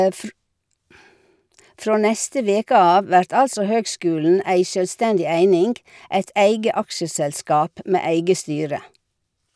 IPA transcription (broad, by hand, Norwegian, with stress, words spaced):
ˈfɾoː ˈnɛstə ˈʋeːkə ˈɑːʋ ˈʋæɾt ˈɑlsɔ ˈhøːɡˌskʉːln̩ ˈæɪ ʃœlˈstɛndɪ ˈæɪnɪŋɡ ˈæɪt ˈæɪɡə ˈɑkʃəsɛlˌskɑːp ˈmeː ˈæɪɡə ˈstyːɾə